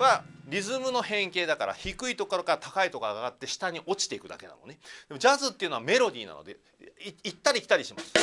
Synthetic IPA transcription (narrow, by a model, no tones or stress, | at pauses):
βaɾʲizɨmɯ̟no̞hẽ̞ŋke̞ːd̪akaɾa̰çikɯ̟it̪o̞koɾokat̪ʰakait̪o̞kaaɡat̪ːe̞ɕi̥t̪aɲ̟iʔo̞t͡ɕi̥t̪e̞ikɯ̟d̪a̰ke̞na̰no̞̰ned̪e̞mod͡ʑazɨt̪ːe̞iɯ̟noame̞ɾo̞d̪ʲḭːna̰no̰d̪e̞̰ | it̪ːaɾʲikʲi̥t̪aɾʲiɕimasɨ̥